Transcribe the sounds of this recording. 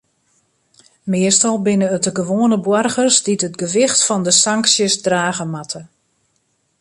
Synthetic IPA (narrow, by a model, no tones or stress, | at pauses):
mɪəstɔlˠbɪnəətəɡəʋoːənəbwɔrɣərsditətɡəʋɪxtfɔndəsaŋksjəsdraːɣəmatʰə